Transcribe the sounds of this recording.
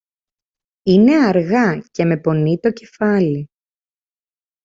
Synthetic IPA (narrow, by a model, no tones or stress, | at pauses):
ine̞ɐɾɣɐce̞me̞po̞nit̪o̞ce̞fɐli